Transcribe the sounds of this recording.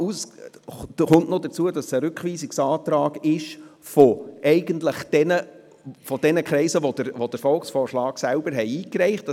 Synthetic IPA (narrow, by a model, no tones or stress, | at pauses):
us | χʊnʔnodəɾt͡suədɑsəɾʉkχʋiːsiksɑːt̪ɾɑːɡɪʃfɔʔɛɪɡəntləχd̥ɛnə | fɔd̥ɛnəkɾɛɪsəʋod̥əɾʋod̥əɾfɔlksfɔːɾʃlɑːɡ̥sælb̥əɾɦɛɪiːkɾɛɪχt